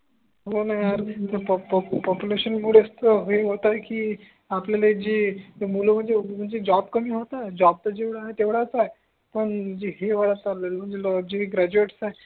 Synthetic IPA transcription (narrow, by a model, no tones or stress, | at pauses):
ɦonaɦjaɾt̪əpɔppɔpjuleɕənmuɽəst̪əɦeɦot̪aekiː | apljaled͡ʑimuləm̤əɳd͡zem̤əɳd͡zed͡ʑɔbkəmiːɦot̪ad͡ʑɔb̚t̪əd͡ʑeʋɽaɦet̪eʋɽat͡saɦe | pəɳd͡ʑiɦeʋəɽat͡saɾlelm̤əɳd͡zelɔd͡ʑiɦeɡɾæd͡ʑueʈsaɦe